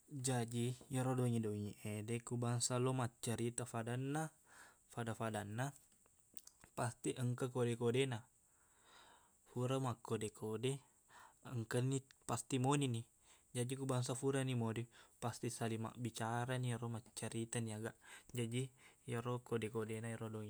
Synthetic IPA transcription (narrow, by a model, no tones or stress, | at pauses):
d͡ʒad͡ʒijəɾodoŋidoŋiʔedekubaŋsalɔmat͡ʃːaɾit̪afadanːa | fadafadanːa | past̪iʔəŋkəkodɛkodena | fuɾamakːodekʰode | əŋkənipast̪imonini | d͡ʒadikubaŋs̬afuɾanimodipast̪isalima̰ʔbit͡ʃaɾaniɾomat͡ʃːaɾit̪aniaɡaʔd͡ʒadijəɾokodekodenaiɾodoŋi